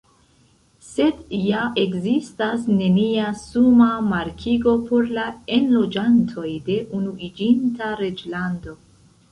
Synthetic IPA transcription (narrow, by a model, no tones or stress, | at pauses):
se̞djae̞kzistasne̞niasumamaɾkʰiɡo̞po̞ɾlae̞nlo̞d͡ʒantʰo̞jde̞ʔunuʔid͡ʒintaɾe̞d͡ʒlando̞